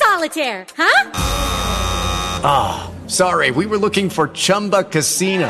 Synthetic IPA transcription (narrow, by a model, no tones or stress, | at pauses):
sɑlˠətʰɛɹha | o | sɑɹiwiwə˞lʊkɪ̃ŋfə˞t͡ʃʰʌ̃mbəkʰɨsino